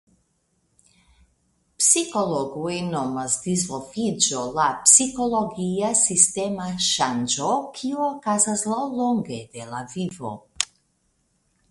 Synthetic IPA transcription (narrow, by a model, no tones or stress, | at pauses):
psikolɔɡuenɔmazd̪izvɔfid͡ʒolapsikoloɡijasist̪ɛmaʃand͡ʒokʰiokazazlˠɔlɔŋɡed̪ɛlavivo̰